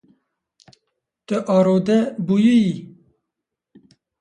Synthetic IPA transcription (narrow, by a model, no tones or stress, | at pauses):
t̪ɨʔɑːɾoːd̪ɛbujɨji